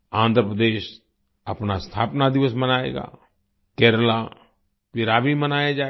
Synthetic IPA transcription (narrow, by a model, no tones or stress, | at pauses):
ãːnd̪ʱɾəpɾəd̪eːʃ | əpnast̪ʰa̰ːpnad̪ɪʋəsmənaːḛːɡa̰ː | kɛːɾəla | pɪɾaːbʱimənaːjad͡ʒa